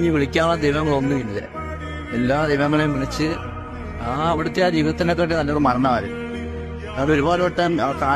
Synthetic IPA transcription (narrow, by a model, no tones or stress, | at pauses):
ɲːiʋiɭikʲːaːlɐd̪ejʋɐŋːɐɭonːɨinilːḛ | elːaːd̪ejʋɐŋːɐɭejmːinɐt͡ɕːɨ | aɐʋiɽɐt̪ːeaːd͡ʑiːʋɐðɐt̪ːinok̬ːeːʈːɨt̪ɐnːeoɽːɨmɐɾɐɳːɐːɐɾ̰ | ɐðo̞ɾubaːlɐoʈːɐmkaː